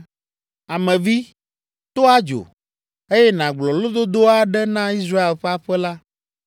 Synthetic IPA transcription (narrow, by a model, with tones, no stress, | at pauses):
a˨mɛ̃˨vi˦ | t̪o˦a˦d͡ʒo̰˨ | e˦jɛ˦nã˨ɡ͡blɔ˨lo˦d̪o˦d̪o˦a˦ɖɛ˦nã˦i˦s̬ɾa˦e˨lɸɛ˦a˦ɸɛ˦la˦